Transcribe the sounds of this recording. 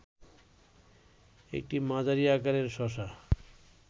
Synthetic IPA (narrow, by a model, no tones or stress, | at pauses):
ḛk̚ʈimãd͡ʑaɾiakaɾeɾʃɔʃa